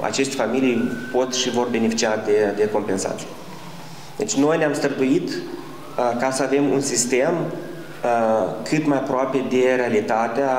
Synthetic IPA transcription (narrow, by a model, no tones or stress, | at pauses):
a̰t͡ʃe̞ʃt̪efamilijpo̞t̪ʃivo̞rbe̞nefit͡ʃiad̪e̞d̪e̞ko̞mpe̞nsa̰t̪sij | d̪̥e̞t͡ʃʲno̞jneamst̪ərd̪ujit̪ | kasəave̞mṵnsist̪e̞m | kʰɨt̪majapɾoape̞d̪e̞ɾe̞alit̪at̪ea